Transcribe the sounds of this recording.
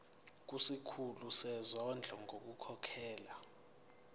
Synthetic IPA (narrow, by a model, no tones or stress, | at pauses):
k̬usikʰulusɛzɔnd͡ɮʱɔŋɡʱok̬ukʰɔkʰɛːla